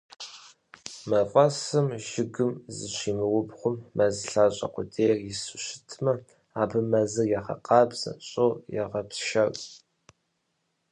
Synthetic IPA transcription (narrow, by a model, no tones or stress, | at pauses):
mɐfʼɐsɨmʒɪɡɨmzɨɕiːmɨwʊbχʷʊmːɐzɨɬaːɕʼɐ̰qʷʊdʰeːrjɪsɨɕɪ̥tʰmɐ | aːbɨmɐzɨjɛʁɐ̰qɑːbz̥ɐ̰ɕʼowjɛ̰ʁɐpʃɐrʼ